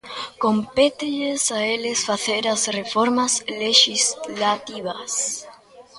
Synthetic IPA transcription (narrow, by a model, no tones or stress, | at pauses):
kompet̪eʎesaelesfaθeɾasrefoɾmasleʃizlat̪iβas